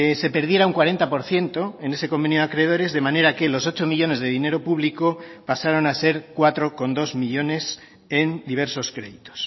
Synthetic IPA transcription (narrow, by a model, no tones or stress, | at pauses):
se̞pe̞ɾðje̞ɾauŋkwaɾe̞nt̪apo̞ɾθje̞nt̪o̞e̞ne̞se̞ko̞mbe̞njoakɾe̞ð̞o̞ɾe̞zðe̞mãne̞ɾake̞loso̞t͡ʃo̞miʎo̞ne̞zðe̞ðine̞ɾo̞puβlikopasaɾo̞nase̞ɾkwat̪ɾo̞ko̞nd̪o̞zmiʎo̞ne̞s | e̞nd̪iβ̞e̞ɾso̞skɾe̞ðit̪o̥s